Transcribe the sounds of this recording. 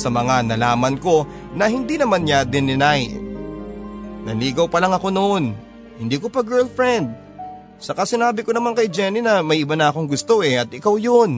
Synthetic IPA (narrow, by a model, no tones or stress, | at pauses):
sɐmɐŋanɐlaːmɐnko̞ | nɐhɪnd̪inɐmanɲad̪ɪnɪnaj | nɐliːɡɐwpɐlaŋɐko̞noʔo̞n | hɪnd̪iːko̞pɐɡɛlfɹɛnd̪̚ | sɐkasɪnaːbɪkonɐmankɐjd͡ʒɛninɐmɐjʔɪbanɐʔɐko̞ŋɡʊst̪o̞ʔɛɐt̪̚ʔɪkawjon